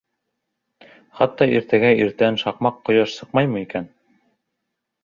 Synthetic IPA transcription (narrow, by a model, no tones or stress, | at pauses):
χɑt̪ːɑiɾt̪æɡæiɾt̪ænʃɑqmɑqːŏjɑʃsɤq̚mɑjmɤikæn